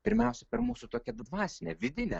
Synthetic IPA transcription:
pʲɪɾʲmʲɛʊsʲɛpʲɛɾmuːsʊt̪oːkʲɛd̪ʋɑːsʲɪnʲɛʋʲɪd̪ʲɪnʲɛ

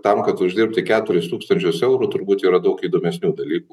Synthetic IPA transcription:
t̪ɐmkɐt̪ʊʒʲd̪ʲɪɾp̚ʲt̪ʲɪkʲæːt̪ʊɾʲɪst̪uːkst̪ɐnʲt͡ʃʲʊsɛʊɾʊt̪ʊɾbuːt̪iːɾɐd̪ɐʊkiːd̪oːmʲɛsʲnʲuːd̪ɐlʲiːku

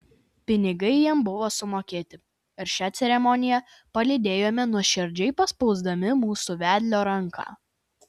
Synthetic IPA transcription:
pʲɪnʲɪɡɐɪjiɛmbʊʋoːsʊmoːkʲeːt̪ʲɪ | ɪɾʃʲæːt̪sʲɛɾʲɛmɔnʲɪjɛ | pɐlʲɪd̪ʲeːjoːmʲɛnuɔʃʲɪɾʲd͡ʒʲɛɪpɐspɔʊzd̪ɐmʲɪmuːsuːˑʋʲæːd̪ʲlʲoːɾɐŋˑkʰɑ̰ː

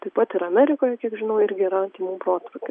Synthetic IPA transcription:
t̪ɐɪpɐt̪ɪɾɐmʲæɾʲɪkoːjɛkʲiɛkʒʲɪnɐʊɪɾʲɡʲɪiɾɐt̪ʲiːmuːmpɾoːt̪ʋɐkɪ

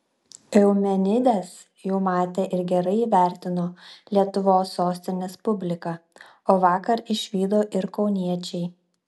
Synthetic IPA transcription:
ɛʊmʲɛnʲɪd̪ʲeːs | juːmɑːt̪ʲeːʔɪɾɡʲɛɾɐɪiːʋʲæˑɾʲt̪ʲɪnoːlʲiɛt̪ʊʋoːsːoːsʲt̪ʲɪnʲeːspʊbʲlʲɪkɑː | oːʋɑːkɐɾɪʃʲʋʲiːd̪oːʔɪɾkɒʊnʲiɛt͡ʃʲɛɪ

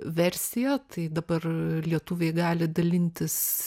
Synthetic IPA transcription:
ʋʲɛɾʲsʲɪjɛt̪ɐɪd̪ɐbɐrlʲiɛt̪ʊʋʲeːɡɑːlʲɪd̪ɐlʲɪnʲt̪ʲɪs

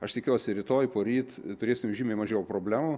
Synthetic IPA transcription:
ɐʃt̪ʲɪkʲuːsʲɪɾʲɪt̪oːjpoːɾʲiːt̪t̪ʊɾʲeːsʲɪmʲʒʲiːmʲeːmɐʒʲɛːjpɾoːbʲlʲæːmu

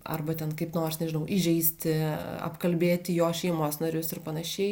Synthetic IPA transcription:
ɐ̰rbɐt̪ʲɛnkɐɪpnoːrsnʲɛʒʲɪnɐʊʔɪʒʲɛɪsʲt̪ʲɪɐ̰pkɐlʲbʲeːt̪ʲɪjoːʃʲɛɪmoːsnɐɾʲʊsɪrpɐnɐʃʲɛɪ

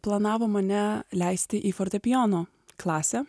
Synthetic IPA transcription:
plˠɐnɑːʋoːmɐnʲɛlʲæɪsʲt̪ʲɪʔiːfɔɾʲt̪ʲɛpʲɪjoːnoː | klˠɑːsʲɛ

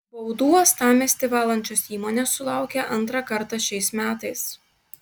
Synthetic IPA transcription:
bɐʊd̪uːɔst̪ɑːmʲɛsʲt̪ʲɪʋɑːlˠɐnʲt͡ʃʲoːsiːmoːnʲeːsːʊlˠɑˑʊkʲɛʔɐnˑt̪ɾɑːkɐɾt̪ɑʃʲɛɪsmʲæːt̪ɐɪs

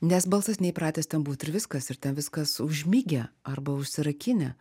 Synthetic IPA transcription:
nʲɛsbɐlˠsɐsnʲɛɪpɾɑːt̪ʲɛːstʲɛnbuːt̪ɪɾʋʲɪskɐsɪɾt̪ʲɛnʋʲɪskɐsʊʒʲmʲiːɡʲɛɐɾbɐʊʃʲsʲɪɾɐkʲɪnʲɛ

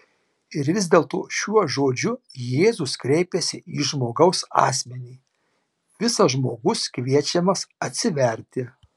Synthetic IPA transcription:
ɪɾʋʲɪzʲd̪ʲeːlˠt̪oːʃʲuɔʒoːd͡ʒʲʊjeːzʊskɾʲɛɪpʲɛsʲɪiːʒmoːɡɐʊsɑ̰ːsʲmʲɛnʲiː | ʋʲɪsɐʒmoːɡʊskʋʲiɛt͡ʃʲɛmɐsɐt̪ʲsʲɪʋʲɛɾʲt̪ʲɪ

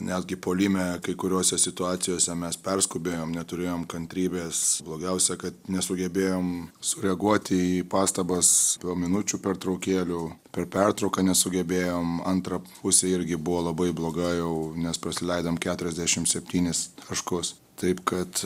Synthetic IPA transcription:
nʲɛd̪ʲɡʲɪpoːlʲimʲɛkɐɪkʊɾʲoːsʲɛsʲɪt̪ʊɑːt̪sʲɪjoːsʲɛmʲɛspʲɛrskʊbʲeːjoːmnʲɛt̪ʊɾʲeːjoːmkɐnʲt̪ʲɾʲiːbʲeːsblˠoːɡʲɛʊsʲɛkɐt̪nʲɛsʊɡʲɛbʲeːjoːmsʊɾʲɛɐɡuɔt̪ʲɪipɑːst̪ɐbɐspoːmʲɪnʊt͡ʃʲuːpʲɛrt̪ɾɐʊkʲeːlʲʊpʲɛrpʲɛrt̪ɾɐʊkɐnʲɛsʊɡʲɛbʲeːjoːmɐnt̪ɾɐpʊsʲeɪɾʲɡʲɪbʊʋoːlˠɐbɐɪblˠoːɡɐjɛʊnʲɛspɾɐsʲɪlʲɛɪd̪ɐmkʲæːt̪ʊɾʲɛzʲd̪ʲæʃʲɪmt̪sʲɛpʲt̪ʲiːnʲɪst̪ʰɐʃkʊs | t̪ɐɪpkɐt̪

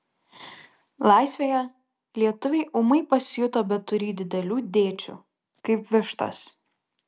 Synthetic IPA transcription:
lˠɑˑɪsʲʋʲeːjɛ | lʲiɛt̪ʊʋʲɛɪʔʊmɐɪpɐsʲɪjʊt̪oːbʲɛt̪̚ːʊɾʲiːd̪ʲɪd̪ʲɛlʲuːd̪ʲeːt͡ʃʲṵː | kɐɪpʋʲɪʃt̪ɐ̰s

